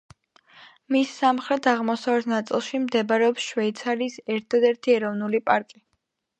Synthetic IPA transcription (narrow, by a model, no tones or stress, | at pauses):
misːamχɾɛt̪ʰaʁmɔsavɛt̪ʰnat̪sʼilˠʃimd̪ɛbaɾɛɔpsʃwɛit̪sʰaɾisɛɾt̪ʰad̪ɛɾt̪ʰiɛɾɔvnulipʼaɾkʼi